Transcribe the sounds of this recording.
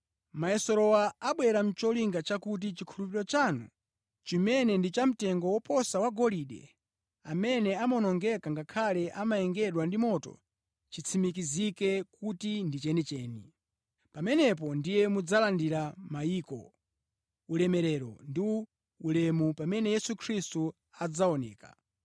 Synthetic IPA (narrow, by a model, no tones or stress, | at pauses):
maɛsɔɾɔwaaɓwɛɾam̩t͡ʃɔliŋɡat͡ʃakut̬it͡ʃikʰulup̬iɾɔt͡ʃanṵ | t͡ʃimɛnɛndit͡ʃam̩tɛŋɡɔwɔpʰɔsawaɡɔliɗɛ̰ | amɛnɛamɔnɔŋɡɛkaŋɡakʰalɛʔamajɛŋɡɛɗwandimɔtɔ̰ | t͡ʃit͡sʰimikizikɛkutindit͡ʃɛnɛt͡ʃɛːni | pamɛnɛp̬ɔndijɛmud͡zalandiɾamaiːkɔ̰ | ulɛmɛɾɛɾɔndi | ulɛmupamɛnɛjɛsukʰɾistu | ad͡zaɔnɛ̰ːka